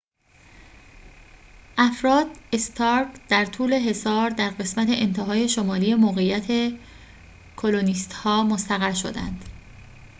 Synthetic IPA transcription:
ʔæfɾɒːd̪est̪ʰɒɾkd̪̥æɾt̪ʰuːle̞ɦe̞sɒːɾd̪æɾɢe̞smæt̪ʰe̞ʔent̪ʰeɦɒːje̞ʃo̞mɒːlije̞moːɣejæt̪ʰe̞ | kʰo̞loniːst̪hɒːmo̞st̪æɣæɾʃo̞̰d̪æ̰nd̪̥

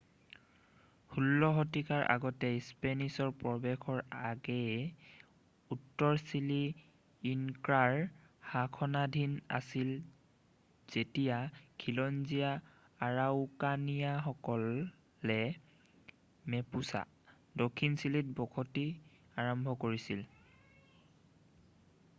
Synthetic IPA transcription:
hulːɔɦɔtikaɹʔa̰ɡɔtɛspenisɔɹpɹɔbɛxʰɔɹaɡɛ | utːɔɹsiliː | ŋkɹaɹhakʰɔnadʱina̰sil | z̥etijakʰilɔnzija | aɹaʊkanijaxɔkɔlː | ɛ | mɛpusa̰ | dokʰːinsilit̚bɔkʰoti | aɹɔmbʱɔkoɹisil

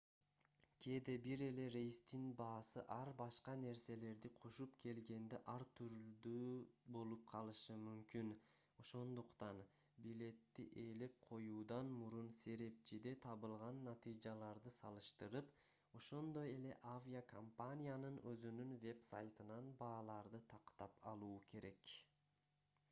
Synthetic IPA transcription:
kʲʰe̞d̪e̞biɾe̞le̞ɾe̞jst̪inbɑːsɯʔɑɾbɑʃqɑne̞ɾse̞le̞ɾd̪iqʰoʃupkʰe̞lɡe̞nd̪eʔɑɾt̪ʰyɾld̪ybo̞lˠup̚qʰɑlˠɯʃɯmymkyno̞ʃo̞nd̪uqt̪ɑn | bile̞t̪ːḭʔe̞le̞p̚qʰo̞juːd̪ɑnmuɾunse̞ɾe̞p̚t͡ʃid̪e̞t̪ʰɑβɯlˠʁɑnːɑt̪ɨjd͡ʒɑlˠɑɾd̪ɯsɑlˠɯʃt̪ɯɾɯp | o̞ʃo̞nd̪o̞je̞le̞̰ʔavʲiakʰompanʲijanɯnøzynynve̞bsa̰jt̪ɯnɑnbɑːlˠɑɾd̪ɯt̪ʰɑqt̪ɑpɑ̰lˠuːkʰe̞ɾe̞k

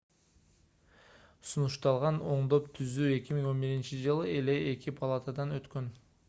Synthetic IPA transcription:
sunuʃt̪ɑlˠʁɑno̞ɴd̪o̞pt̪ʰyzyːe̞kʲimiŋo̞nbiɾint͡ʃid͡ʒɯlˠɯe̞le̞ekʲipʰalˠat̪ad̪ɑnøt̪kø̞n

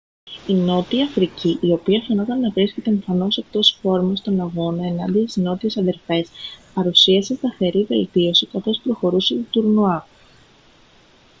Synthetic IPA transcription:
ino̞t̪iɐfɾiciʔio̞piɐfeno̞t̪ɐnːɐvɾisce̞t̪eːɱfɐno̞se̞k̚t̪o̞sfo̞ɾmost̪o̞nɐɣo̞nɐe̞nɐnd̪iɐst̪izno̞t̪ie̞sɐðe̞ɾfe̞spɐɾusiɐsest̪ɐθe̞ɾive̞lt̪io̞sikɐθo̞spɾo̞xo̞ɾuset̪ut̪uɾnuɐ

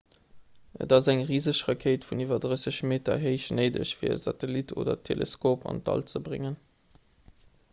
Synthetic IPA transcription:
ə̰tɑzæŋʁiːzəɕʁɐkʰeɪtfunivɐdʁəsəɕmeːtɐ̰ɦeɪɕnəɪdə̰ɕfiːɐə̰zɑtelitʰo̰ːdɐ̰tʰːelʔeskoːpɑ̰ntɑ̰lt͡səbʁɪ̰ŋən

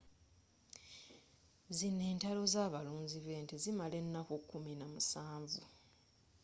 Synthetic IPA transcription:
zine̞ːntalo̞zaːβaluːnziβe̞ːntizimale̞nːakokːuminamusaːɱvu

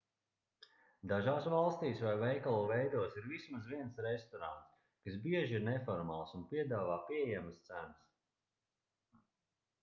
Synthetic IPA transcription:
d̪aʒaːsvalˠst̪iːsvajvɛjkalˠuːvɛjd̪uɔsiɾvismazviɛnsɾɛst̪ɔɾa̰nt̪s | kasbiɛʒiiɾnɛfɔɾma̰ːlˠsunpiɛd̪aːvaːpiɛjæməst̪sænəs

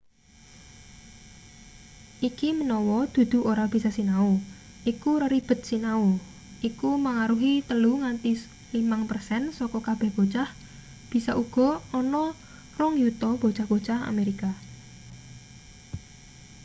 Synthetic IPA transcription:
ʔikimənɔwɔd̪̥ṳd̪̥ṳoɾab̥i̤sasinau | ʔikuɾəɾib̥ə̤t̪̚sinau | ʔikumaŋaɾuɦit̪əluŋant̪i | limaŋpərsɛnsɔkɔkab̥ɛ̤hb̥o̤t͡ʃah | b̥i̤saʔuɡ̥ɔ̤ɔnɔ | rɔŋjut̪ɔb̥o̤̥t͡ʃahb̥o̤̥t͡ʃaha̰meɾika

